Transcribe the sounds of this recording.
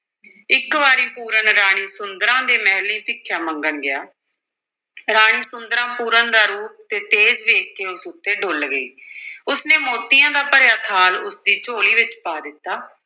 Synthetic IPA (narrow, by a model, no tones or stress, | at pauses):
ɪkʋaːɾiːpuːɾənɾaːɽ̃iːsʊnd̪əɾãːd̪eːmɛːɦlĩːpɪkʰːjaːməŋɡənɡɪja̰ː | ɾaːɽ̃iːsʊnd̪əɾãːpuːɾənd̪aːɾuːp̚t̪eːt̪eːzʋeːkːeːʊsʊt̪ːeːɖʊlɡəiːʊsneːmoːt̪ijãːd̪aːpəɾjaːt̪ʰaːlʊsd̪iːt͡ʃoːliːʋɪt͡ʃpaːd̪ɪt̪ːaː